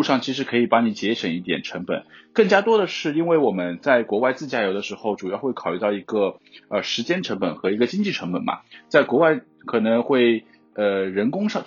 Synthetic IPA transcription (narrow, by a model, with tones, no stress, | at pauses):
u˥˧ʂɑ˥˩ŋt͡ɕʰi˧˥ʂ̬ɻ̩˧˥kʰɤ˧˥i˨˩pɑ˧˥ŋni˧˥t͡ɕjɛ˧˥ʂə˨˩ŋi˥˩t̪jɛ̰˨˩nʈ͡ʂʰɤ˧˥ŋpə̰˨˩nkɤ˥˩ŋt͡ɕja˥t̪wɔ˥d̪ə˨ʂɻ̩˥˩i˥nwe˥˩ɪwɔ˨˩mə˦nt͡sa˥˩ɪkwɔ˧˥wa˥˧ɪt͡sɹ̩˥˩t͡ɕja˥˩jo˧˥ʊd̪ə˧ʂɻ̩˧˥xo˥˧ʊʈ͡ʂu˨˩jɑ˥˧ʊxwe˥˩ɪkʰɑ˨˩y˥˧t̪ɑ˥˩ʊi˧˥ɡə˧ə˧ʂɻ̩˧˥t͡ɕjɛ˥nʈ͡ʂʰɤ˧˥ŋpə˨˩nxɤ˧˥i˧˥ɡə˧t͡ɕi˥ŋt͡ɕi˥˩ʈ͡ʂʰɤ˧˥ŋpə˨˩nmɐ̰˨˩t͡sa˥˩ɪkwɔ˧˥wa˥˩ɪ | kʰɤ˨˩nɤ˧˥ŋxwe˥˩ɪ | ə˧ɻə˧˥nkʊ˥ŋʂɑ˥˧˩